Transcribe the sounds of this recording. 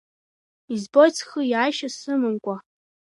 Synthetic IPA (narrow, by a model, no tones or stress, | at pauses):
izbo̞jt͡sʰχɨjaːjʃasɨmɨnkʷʼa